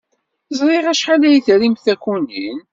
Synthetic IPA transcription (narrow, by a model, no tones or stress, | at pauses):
zˤɾˤeʁæʃħalæjθɾimθækʷunin